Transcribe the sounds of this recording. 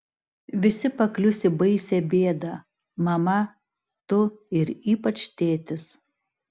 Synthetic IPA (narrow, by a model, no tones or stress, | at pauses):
ʋʲɪsʲɪpɐklʲʊsʲɪbɐɪsʲɛbʲeːd̪ɐ | mɐmɐ | t̪ʊɪɾiːpɐt͡ʃt̪ʲeːt̪ʲɪs